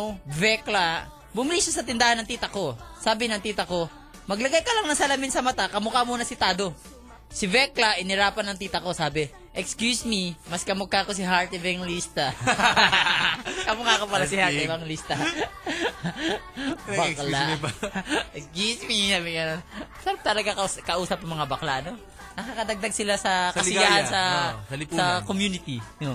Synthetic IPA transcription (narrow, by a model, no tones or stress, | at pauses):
vɛkla | bʊmɪlisosɐt̪ɪnd̪aːhɐnːɐŋt̪iːt̪ɐko̞saːbɪnɐŋt̪iːt̪ɐko̞ | mɐɡlɐɡajkɐlaŋnɐŋsɐlɐmɪnsɐmɐt̪akɐmʊkamuːnɐsɪt̪aːd̪o̞ | sɪvɛklaʔɪnhɪɾaːpɐnɐŋt̪iːt̪ɐko̞saːbɛ | ʔɛkskjusmimɐskɐmʊkːakos̬ɪɦaɹt̪ɪvɛŋlist̪a | kɐmʊŋakopɐɐsɪhaɪbɐŋlist̪ɐ | bakla | ɛkskjusmisabiɡɐnonsɐɾap̚t̪ɐlɐɡakɐʔuːsɐp̚ɐŋmɐŋabɐklaʔɐno̞ | nɐkakɐd̪ɐɡ̚d̪aɡ̚sɪlasɐkɐsɪjaʔɐnsɐɐlsɐkomjunɪt̪i